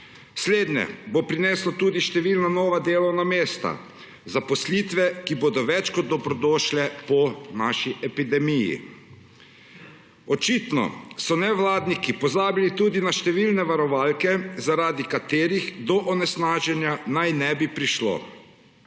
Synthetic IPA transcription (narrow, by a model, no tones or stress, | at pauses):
sleːd̪njɛ̰bopɾinɛːslɔt̪uːd̪iʃt̪ɛʋiːlnanɔːʋad̪eːlɔwnameːst̪a̰ | zapɔsliːt̪ʋɛkiboːd̪ɔʋɛt͡ʃkɔd̪ːɔbɾɔd̪ɔːʃlɛpɔnaːʃiʔɛpid̪ɛmijḭ | ɔt͡ʃiːt̪nɔ̰sɔnɛʋlaːd̪nikipɔzaːbilit̪uːd̪inaʃt̪ɛʋilnɛʋaɾɔʋaːlkɛzaɾaːd̪ikat̪eːɾiɣd̪ɔʔɔnɛsnaːʒɛnjanajnɛbipɾiʃlo̰